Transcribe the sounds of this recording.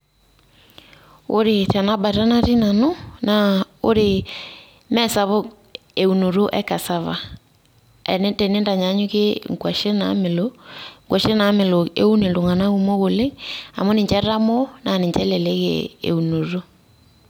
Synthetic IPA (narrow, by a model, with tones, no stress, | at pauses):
o˦ɾe˨ta˨na˦ba˨ɾa˦na˦ɾi˦na˨no˦na˨o˦ɾe˨ | mɛ˦sa˨βo˦ | e˨u˨no˨ɾo˦ʔɛ̰˦ka˨sa˦βa̰˨ | ɛ̰˨n˦tɛ˨ne˦nda˨ɲa˨˦ɲo˦ɣe˦ŋɡwa˨ʃe˦na̰˨me˨lo˦ŋɡwa˨ʃe˦na˨˦me˨lo˨ḛ˦u˦ne˨nlo˨ŋa˨na˦ɣu˦mo˦ɣo˨le˦a̰˨mo˦ne˨ɲt͡ʃɛ˦ɾa˦mo˦na˨ne˨ɲt͡ʃɛ˦le˨lɛ˦ɣḛ˨ḛ˨u˨no˨ɾo˦